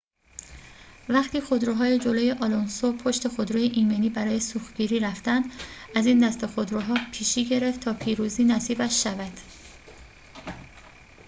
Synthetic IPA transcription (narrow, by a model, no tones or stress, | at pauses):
væχt̪ʰiːxod̪ɾoɦɒːjed͡ʒoloːje̞ʔɒlonsopʰo̞ʃt̪e̞xod̪ɾojeʔiːmeniːbæɾɒːje̞suːxɟiːɾiːɾæft̪ænd̪æziːnd̪æst̪e̞xod̪ɾuɦɒːpʰiːʃiːɟe̞ɾe̞ft̪ʰɒːpʰiːɾuziːnæsiːbæʃːævæd̪̥